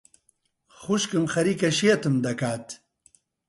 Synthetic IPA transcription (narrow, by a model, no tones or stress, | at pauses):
xuʃkɨmxɐɾiːkɐʃijɐt̪ɨmd̪ɐkaːt̪